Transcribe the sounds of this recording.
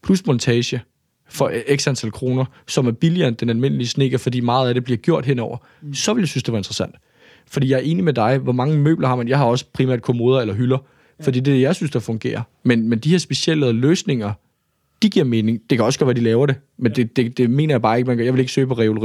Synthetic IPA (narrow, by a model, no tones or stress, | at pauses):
pʰlusmɔ̽nt͡sʰɛːɕə | fɒ̽ʔeɡ̥sænt͡sʰælkʰʁo̝ːnɐ | sɒ̽mæɐb̥iliɐnd̥enælme̝n̰əlisne̝ɡ̥ɐfɒ̽dḭːmɑ̈ːð̞̩ˠæɾ̥e̝b̥liɐɡ̥jo̝ɐ̰d̥ɦenɒʊ̰ɐ | sɒ̽ʋe̝ljasynsd̥e̝ʋɑ̈e̝nd̥ʁɐsæn̰d̥ | fɒ̽d̥ḭːjɑ̈æɐe̝ːnimed̥ɑ̈ɪʋɒmɑ̈ŋəmø̰ːb̥lɐhɑ̈menjɑ̈ɪhɑ̈ɒ̽sə̥pʰʁimæ̰ɐd̥̚kʰomo̝ːð̞ˠɐelɐɦylɐ | fɒd̥ḭːd̥e̝d̥ejɑ̈ɪsynsd̥ɑfɔ̽ŋɡ̥e̝̰ːɐ | menmend̥iheɐsb̥e̝ɕel̰əløːsne̝ŋɐ | d̥iɡ̥iɐ̰me̝ːne̝ŋd̥ekʰæɒ̽sɡ̥ɒdʋæɐdilɛːʊɐɾe̝mend̥ed̥e̝d̥e̝me̝̰ːnɐjɑ̈bɑ̈ːe̝ɡ̥mænjɑɪʋe̝le̝ɡ̥sø̰ːpʰɒ̽ʁɛo̝loʁi